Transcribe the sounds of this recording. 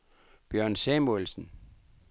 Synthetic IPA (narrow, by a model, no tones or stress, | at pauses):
b̥jœɐ̰nsɛmolsn̩